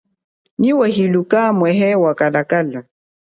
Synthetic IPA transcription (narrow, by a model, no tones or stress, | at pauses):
niwahilukamwɛɦɛwakalakala